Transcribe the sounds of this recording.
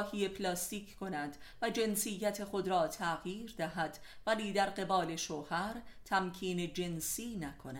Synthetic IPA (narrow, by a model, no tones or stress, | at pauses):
hiːe̞pʰlɒːst̪iːkʰkʰo̞næd̪ | væd͡ʒe̞nsijːæt̪ʰe̞xod̪ɾɒːt̪ʰæɣjiːɾd̪æɦæd̪̥ | væliːd̪æɾɢe̞bɒːleʃoːhæɾt̪ʰæmkʰiːne̞d͡ʒe̞nsiːnækʰonæ